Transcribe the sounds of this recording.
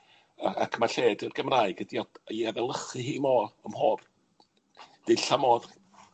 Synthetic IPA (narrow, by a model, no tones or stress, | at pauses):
akʰmaɬeːdərɡəmraːɨɡədiɔəaðɛlˠəχɨɦiːmɔəmhoːb̥ | d̥ɪɬamɔð